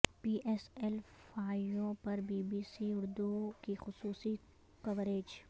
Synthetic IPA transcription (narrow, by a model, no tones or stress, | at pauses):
piːʔɛːsɛlfaːjõpɐɾbiːbiːsiʊɾd̪ukixʊsuːsi | kɐʋɾeːd͡ʒ